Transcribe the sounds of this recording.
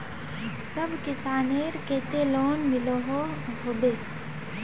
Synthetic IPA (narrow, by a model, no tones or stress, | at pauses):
sɐbʱkɪsaːneːɾkeːt̪eloːnmɪloɦoɦoːd̪eː